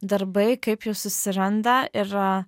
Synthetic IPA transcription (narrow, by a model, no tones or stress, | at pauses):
d̪ɐɾbɐɪkɐɪpjoʊsʊsʲɪɾɐnd̪ɐɪɾ